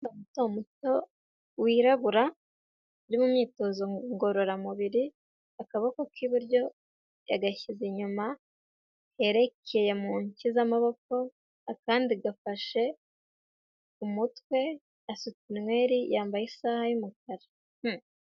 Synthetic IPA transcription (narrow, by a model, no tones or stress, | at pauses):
omutoumuto̞ | wiɾaβuɾa | uɾimumɲiːto̞zo̞ŋɡo̞ɾo̞ɾamuβiɾi | akaβakokʰiβuɾjo̞ | ja̰ɡaçiziɲuma | he̞ɾe̞kʰe̞je̞muːɲcizamaβo̞ko̞ | akaːndiɡafaʃe̞ | umutwe̞ | asut͡sinwe̞ːɾijaːmbajisaːhajumuk̚aɾḁ | h̩